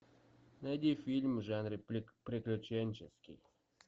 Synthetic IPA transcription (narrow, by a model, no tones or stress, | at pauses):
nɐjd̪ʲifʲilʲmʐanɾɨpɾʲɪklʲʊt͡ɕenʲt͡ɕɪskʲɪ̰j